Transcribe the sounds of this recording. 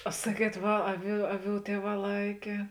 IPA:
ɐ ˈsɑːˌkʲiɛt ˈʋɐ ˈɑːˌʋʲuː ˈɑːˌʋʲuː ˈtʲiɛˌʋɑː ˈlˠɐɪkʲeː

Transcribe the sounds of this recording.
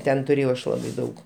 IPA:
ˈtʲɛn tʊˈrʲeːjɛʊ ˈɐʃ ˈlˠɑːbɐɪ ˈdɐʊk

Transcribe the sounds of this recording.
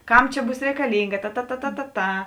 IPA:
ˈkɐm ˈt͡ʃʲɛ ˈbuːs rʲɛkɐˈlʲiːŋɡɐ tɐ tɐ tɐ tɐ tɐ ˈtɐ

